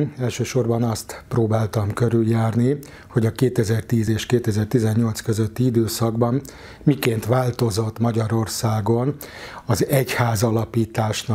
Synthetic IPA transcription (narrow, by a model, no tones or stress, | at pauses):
ɛlʃøːʃo̞rbɒnɒst̪proːbaːlt̪ɒmkøɾyljaːrni | ho̞ɟɒkeːt̪ɛzɛrt̪iːzeːʃkeːt̪ɛzɛrt̪izɛɲːo̞lt̪skøzøt̪ːiid̪øːsɒɡbɒmː | ikeːnt̪ʋaːlt̪o̞zo̞t̪ːmɒɟɒɾo̞rsaːɡo̞nɒzɛchaːzɒlɒpiːt̪aːʃn